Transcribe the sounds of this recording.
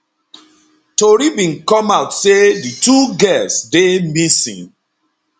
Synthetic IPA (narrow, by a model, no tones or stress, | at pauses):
toɾibĩnkɔmaʊtsedituɡɛlsdemisḭ̃n